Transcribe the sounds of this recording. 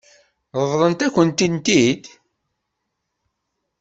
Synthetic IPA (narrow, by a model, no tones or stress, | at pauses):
ðəðlˤənt̪ækʷːənt̪int̪id̪